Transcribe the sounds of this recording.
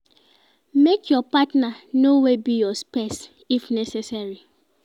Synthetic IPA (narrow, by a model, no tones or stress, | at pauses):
mekʰjɔpatnanowebijɔspes | ifnɛsesaɹi